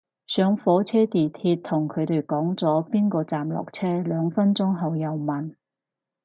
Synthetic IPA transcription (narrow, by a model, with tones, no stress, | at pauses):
sœː˨˧ŋfɔː˨˥t͡sʰɛː˥t̪iː˨˩t̪ʰiː˧t̚t̪ʰʊ˨˩ŋkʰɵ˨˧t̪e˨˩jkɔː˨˥ŋt͡sɔː˨˥piː˥nkɔː˧t͡saː˨mlɔ̰ː˨k̚t͡sʰɛː˥lœː˨˧ŋfɐ˥nt͡sʊ˥ŋɦɐ˨˧wjɐ˨˧wmɐ˨˩n